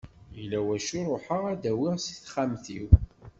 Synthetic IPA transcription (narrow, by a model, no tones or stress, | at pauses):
jəlːæwæʃʊɾˤoħəʁæd̪æwiɪʁsiθχæmθiw